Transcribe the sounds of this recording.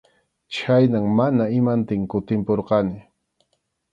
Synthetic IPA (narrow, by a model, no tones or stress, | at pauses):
t͡ʃʰajnaŋmanaɪmant̪ɪŋkʊt̪ɪmpoɾqɑnɪ